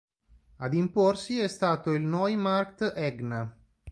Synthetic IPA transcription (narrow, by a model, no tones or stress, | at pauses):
ad̪imporsiɛst̪aːt̪oilnɔjmarkt̪ɛɡna